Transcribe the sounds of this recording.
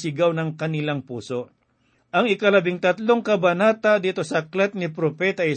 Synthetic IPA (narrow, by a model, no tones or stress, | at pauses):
sɪɡawnɐŋkɐnɪlaŋpuːso̞ʔ | ʔɐŋɪkɐlɐbɪŋt̪ɐt̪loŋkɐbɐnaːt̪ɐd̪iːt̪o̞sɐklɛt̪̚nɪpɾopɛt̪ɐʔj